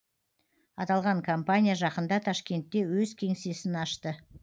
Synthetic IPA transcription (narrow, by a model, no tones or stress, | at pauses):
ɑt̪ɑlˠʁɑŋkʰompanʲijaʒɑqənd̪ɑt̪ʰɑʃkʲe̞nt̪ːe̞wɵzkʲʰe̞ŋse̞sɪnɑʃt̪ə